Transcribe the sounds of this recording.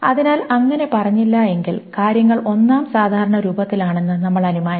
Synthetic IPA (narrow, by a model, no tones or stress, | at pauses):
ɐðinaːlɐŋːɐne̞pɐrɐɲːilːɐe̞ŋɡilkaːɾjɐŋːɐɭo̞nːaːmsaːd̪ʱaːɾɐɳɐɾuːbɐt̪ːilaːɳe̞nːɨnɐmːɐɭɐnimaːjɐ